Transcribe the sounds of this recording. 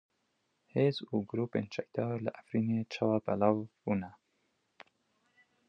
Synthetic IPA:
heːzuːɡʊɾuːpḛːnt͡ʃɛk̚d̪ɑːɾlɪʔæfɾiːneːt͡ʃʰɑwɑːbɛ̰lɑːvb̥uːnɛ

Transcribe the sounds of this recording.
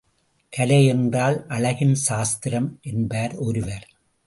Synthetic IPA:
kɐlɐɛndraːlʔɐɭɐɣɪnʃaːst̪ɪɾɐmʔɛnbaːɾɔɾɯʋɐɾ

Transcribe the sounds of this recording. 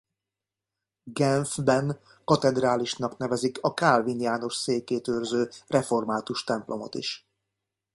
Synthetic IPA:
ɡɛnfbɛn | kɒt̪ɛd̪raːliʃn̪ɒkn̪ɛvɛzikʰɒkaːlvinjaːno̞ʃseːkeːt̪øːrzøːrɛfo̞rmaːt̪uʃt̪ɛmplʔo̞mo̰t̪ḭʃ

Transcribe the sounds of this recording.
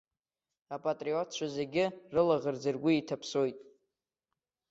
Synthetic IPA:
apʼatʼriotʰt͡ʃʷʰazeɡʲɪrɨlaʁərd͡zɨrɡʷʊitʰapʰsojtʼ

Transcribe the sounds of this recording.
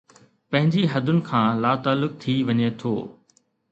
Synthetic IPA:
pɐ̃ɦɪ̃ɲd͡ʑiɦɐd̪ʱʊnɪ̆kʰãːlaːt̪aːlːʊk̚t̪ʰiʋɐɲet̪ʰo̰ː

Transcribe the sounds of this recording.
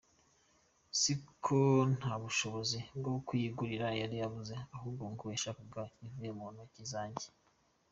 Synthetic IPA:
sikʰon̥haβuʃo̞βozibɡokwiːɡuɾiɾajaɾijavuzeaɦuːbɡoŋɡuweːʃakuɡaiɱvujemonocizaːɲɟe̥

